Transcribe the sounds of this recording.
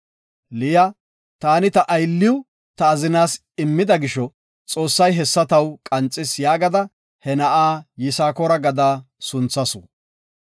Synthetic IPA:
lɪjɐ | t̪aːnɪt̪ɐʔɐjlːɪw | t̪ɐːzɪnaːs | ɪmːɪd̪ɐɡɪʃɔ | t͡sʼo̞ːsːɐjɦɛsːɐt̪ɐwkʼɐnt͡sʼːɪsjaːɡɐd̪ɐ | hɛnɐʔaːjɪsaːkɔɾɐɡɐd̪aː | sʊnt͡sːɐsʊ̰

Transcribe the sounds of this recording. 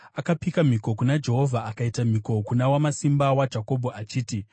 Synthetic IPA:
akapikam̤iko̞kunad͡ʒe̞ɦo̞vʱaːkaitam̤iko̞kunawamasimbawad͡ʒako̞bʱoʔat͡ʃiːti

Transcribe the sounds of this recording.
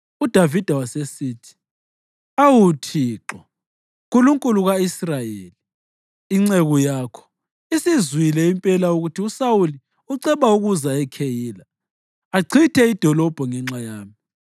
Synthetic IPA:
ud̥ʱavid̥ʱawasesiːtʰi̥ | awutʰiːǁɔ | kʼuluŋkʼuluɣaisrajeli | iŋ͡ǀeɣujaːkʰɔ̥ | isizwilɛimpʼɛlauɣutʰiusawuli | uǀɛβauɣuzaɛkʰejiːla | aǀʰitʰɛid̥ʱɔlɔb̥ʱɔŋɛŋ͡ǁajaːmii

